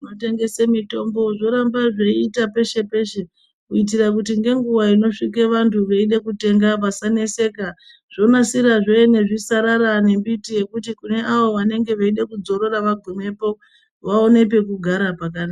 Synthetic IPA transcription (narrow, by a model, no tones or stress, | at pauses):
note̞ŋɡe̞semito̞mbo̞ʐo̞ɾambaʐeiːtape̞ʃe̞pe̞ʃe̞ | kuit̬irakutiŋɡe̞ŋɡuʋaino̞ʂik̬eʋantʰuʋeiɗekute̞ŋɡapasane̞se̞ka | ʐ̥o̞nasiɾaʐo̞ene̞ʐisaɾaɾane̞mbitije̞kutikune̞ʔaʋo̞ʋane̞ŋɡe̞ʋaiɗekud͡zo̞ɾo̞ɾaʋaɡʱome̞po̞ | ʋaone̞p̬e̞kuɡʱaɾapak̬ana